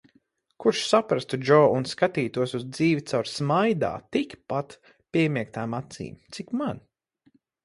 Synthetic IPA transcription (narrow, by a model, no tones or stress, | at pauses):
kuɾʃsapɾast̪ud͡ʒɔːunskat̪iːt̪uɔsuzd̪ziːvʲit̪sawɾsmajd̪a̰ːt̪ikpat̪ | pʲiɛmiɛk̚t̪aːmat̪sḭːmt̪sikman